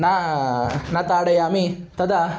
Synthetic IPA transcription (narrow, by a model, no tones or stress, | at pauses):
na | nɐt̪aːɽɐjaːmit̪ɐd̪a